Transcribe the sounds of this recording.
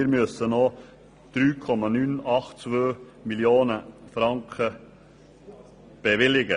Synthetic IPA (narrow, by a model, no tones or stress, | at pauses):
ɪɾmøsəno | d̪̥ɾyːkʰɔmɑnyːnɑχtt͡svøː | miljoːnəfɾɑŋkʰə | b̥ɛvɪlɪɡə